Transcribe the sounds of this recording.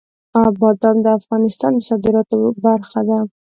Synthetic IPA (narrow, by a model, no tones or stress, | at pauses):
abɑd̪ɑnd̪əafɣɑnɪst̪ɑnmʊsɑd̪ɪɾɑt̪obaɾxad̪a